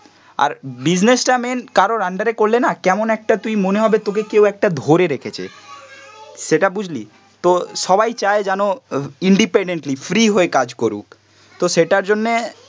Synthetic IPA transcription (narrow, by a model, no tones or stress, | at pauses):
a̰ɾbid͡ʑnesʈamenkaɾoɾaɳɖaɾekoɾlenakɛmonɛk̚ʈat̪ujmoneɦɔbet̪okekewɛk̚ʈad̪ʱoɾeɾekʰet͡ɕʰḛ | ʃeʈabud͡ʑʱli | t̪oʃɔbajt͡ɕaed͡ʑanoiɳɖipeɳɖeɳʈlifɾiɦoekad͡ʑkoɾṵk̚ | t̪oʃeʈaɾd͡ʑonːe